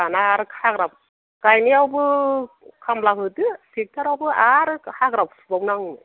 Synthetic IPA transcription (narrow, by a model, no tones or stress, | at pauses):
anaɾɯkhaɡɾap̚ | kajniawbɯ | kʰamlakɯtɯsik̚tʰaɾawbɯaɾɯhaɡɾap̚sbawnaŋɯ